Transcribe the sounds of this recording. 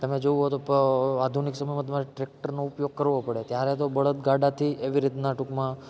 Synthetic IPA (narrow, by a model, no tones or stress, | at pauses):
t̪əmed͡ʒouɦot̪opad̪ʱuniksəməjmãt̪̬əmaɾeʈɾek̚ʈəɾnoʊpjoɡ̚kəɾʋopəɽet̪jaɾet̪obəɭət̪ɡʱaɖat̪ʰiʔeʋiɾit̪naʈukmã